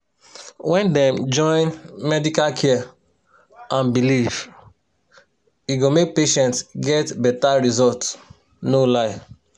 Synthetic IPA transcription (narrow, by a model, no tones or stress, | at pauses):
wɛ̃ndɛ̃md͡ʒɔ̃ɪ̃nmɛdikalkʰɛ | ãnbiliv | iɡomek̚peʃɛ̃ntsɡɛtbɛtaɹizɔlt | nolaɪf